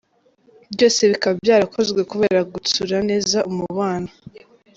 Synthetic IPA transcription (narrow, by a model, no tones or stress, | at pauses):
bjo̞ːse̞βikaβbjaːɾakʰo̞zɡwe̞kuβe̞ːɾaɡut͡suɾane̞ːzaʔumuβaːna